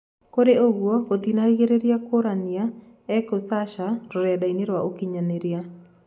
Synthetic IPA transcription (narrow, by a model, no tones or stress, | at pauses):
koɾeoɣwɔkot̪inaɾiɣeɾeɾjakoɾania | ɛkosaʃaɾoɾɛadaineɾwaʔokiɲaneɾia